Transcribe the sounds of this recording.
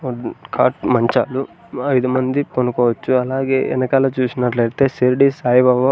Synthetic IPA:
kʰaːʈmɐɲt͡ʃaːlu | ɐjd̪umɐnd̪iponukɔːʋɐt͡ʃːuɐlaːɡeːʔɛ̰nɐkaːloːt͡ʃuːsinɐʈlɐɽit̪e̞ːsiɾɖisaːjʋɐʋo

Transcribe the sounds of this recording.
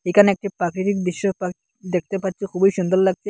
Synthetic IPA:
ekʰanɛk̚ʈipakɾitik̚d̪iʃɔpa | d̪ek̚ʰt̪epatːt͡ʃʰikʰubɔjʃund̪ɔllaɡ̚t͡ʃʰe

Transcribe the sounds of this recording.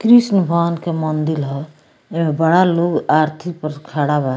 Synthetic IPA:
kɾisnəbʱaːnkemənd̪ilɦɔ | emebəɽaloːɡaːɾt̪ʰik̚pəɾkʰaɽaba

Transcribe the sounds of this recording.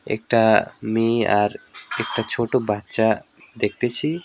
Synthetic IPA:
ɛ̰k̚ʈameaɾɛk̚ʈat͡ʃʰoʈobatːʃa | d̪ek̚ʰt̪et͡ɕʰi

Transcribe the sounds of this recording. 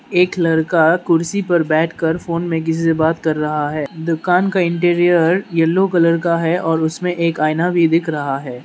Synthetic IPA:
eːklɐɾkakʊɾsipɐɾbɛːʈʰkɐɾfoːnmẽk̬ɪs̬isebaːt̪kɐɾːɐɦaɦɛːd̪ʊkaːnkaɪ̃ɳʈeːɾijəɾjɐlːokɐləɾkaɦɛʔɔːɾʊsmẽʔeːkaːɪnabʱid̪ɪkʰɾɐɦaɦɛː

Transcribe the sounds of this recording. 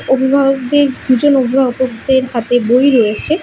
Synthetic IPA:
obʱibʱaɡoɡ̚d̪eɾd̪ud͡ʑonobʱibʱaɡokd̪eɾɦat̪ebojɾɔjet͡ɕʰe

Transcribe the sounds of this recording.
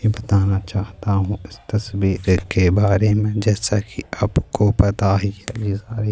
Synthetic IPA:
ibɐt̪aːnat͡ʃaːɦt̪aɦũɪst̪ɐsbiːɾkebaːɾemẽd͡ʒɛːsakiaːpkopɐt̪aɦiɛd͡ʒizaːɾi

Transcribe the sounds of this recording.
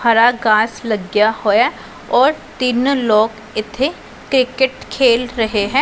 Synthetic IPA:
aɾaɡaːslɐɡjahoːja | ɔːɾt̪ɪnlɔːk | ɪt̪ʰe | kɾɪkɪʈkʰeːlɾɐɦeɦɛ̃ː

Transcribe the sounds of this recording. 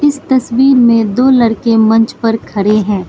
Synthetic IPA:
ɪst̪ɐswiːɾmẽd̪oːlɐɽkemɐ̃nt͡ʃpɐɾkʰɐɽeɦɛ̃ː

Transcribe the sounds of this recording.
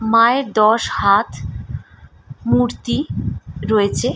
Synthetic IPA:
maeɾd̪ɔʃhat̪ʰ | muɾt̪iɾoet͡ɕʰe

